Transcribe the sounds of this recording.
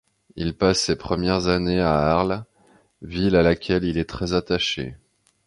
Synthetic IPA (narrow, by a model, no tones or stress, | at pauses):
ilpasːepχəmjɛʁzaneaaʁl | vilalakʲɛlilɛt̪χɛzat̪aʃḛ